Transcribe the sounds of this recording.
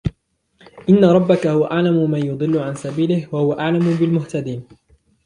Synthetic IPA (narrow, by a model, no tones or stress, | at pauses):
ʔɪnːaɾˤɑbːakahʊwaʔaʕlamʊmaːjʊd̪ˤɨlːʊʕansabiːlɪhwahʊwaʔaʕlamʊbɪlmʊht̪ad̪iːn